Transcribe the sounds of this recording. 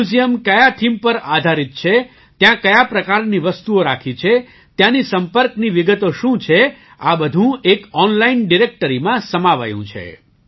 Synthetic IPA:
ud͡ʒijəmkəjaʈʰimpəɾad̪ʱaɾit̪̚t͡ʃʰe | t̪jãkəjapɾəkaɾniʋəst̪uoɾakʰit͡ʃʰe | t̪jãnisəmpəɾkniʋiɡət̪oʃũt͡ʃʰe | abəd̪ʱũekɔnlainɖiɾek̚ʈəɾimãsəmaʋa̰jṵ̃t͡ʃʰḛ

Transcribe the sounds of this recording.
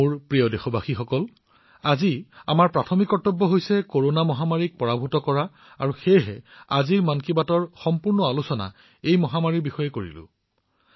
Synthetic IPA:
uɹpɹijɔdexɔbaxixɔkɔl | azia̰maɹpɹatʰɔmikɔtːɔbːɔɦojsɛkoɹonamɔɦamaɹik̚pɔɹabʱutɔkɔɹa | a̰ɹuxejɦɛaziɹmankibatɔɹxɔmpuɹnɔalusɔna̰ | ejmɔɦamaɹiɹbixɔjɛkoɹḭlʊ̰̃

